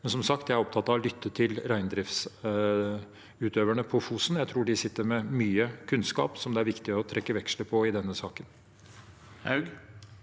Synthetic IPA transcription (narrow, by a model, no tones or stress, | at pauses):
mɛnsɔmsɑkt̪jæɪæɾɔpt̪ʰɑt̪ːɑʋlʏt̪ʰːət̪ʰɪlɾæɪnd̪ɾɪfs | ʉːt̪ʰøːʋəɳəpʰɔfuːsn̩jæɪt̪ʰɾuːɖɪsɪt̪ːəɾmɛmyːəkʰʉnskɑ̰ːpsɔmd̪ɛæɾʋɪkt̪ɪɔt̪ʰɾɛkːəʋɛkʂləpʰɔɪd̪ɛnːəsɑːkən | hɑʉɡ